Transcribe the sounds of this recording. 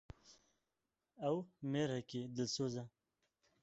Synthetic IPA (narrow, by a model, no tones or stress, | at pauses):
awmeɾakid̪əlsoza